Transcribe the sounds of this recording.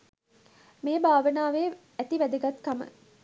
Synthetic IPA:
meːbʱaːʋənaːʋeː | æt̪iʋæd̪əɡat̪kamə̰

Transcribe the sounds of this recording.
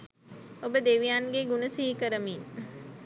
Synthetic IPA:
obəd̪eːʋijaːnɡeɡunəsiɦikəɾəmiːn

